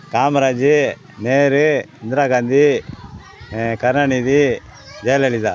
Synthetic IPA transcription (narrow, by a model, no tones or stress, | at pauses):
kaːmɐɾaːd͡ʒi | neːɾɯind̪ɾaːɡaːnd̪i | kɐɾnaɳid̪i | d͡ʒɐjleɭid̪a